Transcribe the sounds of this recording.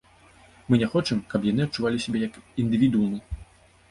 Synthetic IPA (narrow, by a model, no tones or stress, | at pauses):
mɨnʲɛxɔt͡ʂɨmkɐpjan̪ɨɐtt͡ʂuvalʲisʲɛbʲɛjɐkind̪ɨvʲid̪unɨ